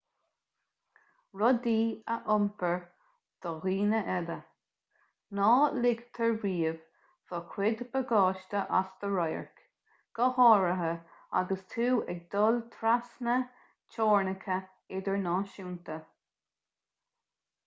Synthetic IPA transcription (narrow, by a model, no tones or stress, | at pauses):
ɹɔd̪iːəʔʊmpʰəɹ | d̪̥əɣiːnəʔɛlə | nɑːlɪɡt̪ʰəɹɹiːəv | vɔkʰwɪd̪bəɡɑːʃt̪əʔasd̪̥əɹɔjə̰ɹk | ɡ̥əhɔːɹəɦəa̰ɡəst̪ʰuːɛɡ̚d̪ɔlt̪ʰɾasnə | t͡ʃɔːɹnəkʰə | ɪd̪əɹnɑːʃuːnt̪ə